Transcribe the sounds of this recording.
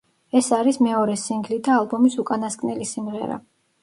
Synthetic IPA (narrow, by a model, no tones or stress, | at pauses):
ɛsaɾismɛɔɾɛsiŋɡlid̪aːlˠbɔmisukʼanaskʼnɛlisimʁɛ̰ɾa̰